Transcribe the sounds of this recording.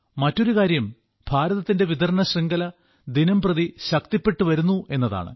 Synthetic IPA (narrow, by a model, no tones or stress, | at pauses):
mɐtːo̞ɾukaːɾjɐm | bʱaːɾɐðɐt̪ːinde̞ʋid̪ɐɾɳɐɕriŋɡɐlɐ | d̪inɐmprɐðiɕɐk̚t̪ipːe̞ʈːuʋɐɾunːue̞nːɐða̰ːɳɨ̰